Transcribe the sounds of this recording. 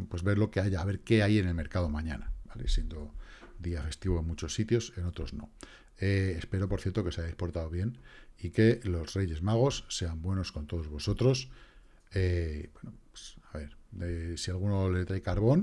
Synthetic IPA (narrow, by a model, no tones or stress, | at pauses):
pwe̞zβe̞ɾlo̞ke̞aʝaːβe̞ɾke̞aje̞ne̞lme̞ɾkað̞o̞mãɲanab̥ale̞̰sje̞nd̪o̞ðiafe̞st̪iβoenmut͡ʃo̞sːit̪jo̞se̞no̞t̪ɾo̞zno̞̰ | eːspe̞ɾo̞po̞ɾθje̞ɾt̪o̞ke̞sajaespo̞ɾt̪aðoβ̞je̞nike̞lo̞sre̞ʝe̞zmaɣ̞o̞sːe̞ambwe̞no̞sko̞nt̪o̞ð̞o̞zβo̞so̞t̪ɾo̞s | ebwe̞nope̥saβe̞ɾesialɣ̞uno̞le̞t̪ɾajkaɾβ̞o̞n